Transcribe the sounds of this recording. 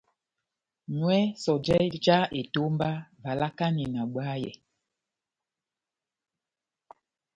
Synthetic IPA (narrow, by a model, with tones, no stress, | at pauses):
nwɛ˦sɔ˨d͡ʒɛ˦d͡ʒa˦e˨to˦mba˦va˨la˦ka˦ni˨na˨ɓwa˦jɛ̰˨